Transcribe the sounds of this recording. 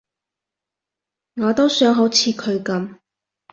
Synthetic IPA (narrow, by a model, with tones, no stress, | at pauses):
ŋaː˨˧t̪o˥wsœː˨˥ŋɦo˨˥wt͡sʰiː˧kʰɵ˨˧ɥkɐ˨˥m